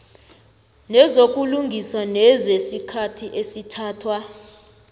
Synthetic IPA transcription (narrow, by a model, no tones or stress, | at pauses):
nɛzok̬ʼuluŋɡʱisanɛzesikʰatʰiʔesitʰaːtʰwa